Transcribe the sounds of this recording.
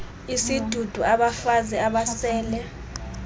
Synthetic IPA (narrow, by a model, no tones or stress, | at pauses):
isid̥ʱud̥ʱuʔaɓafazɛaɓasɛːlɛ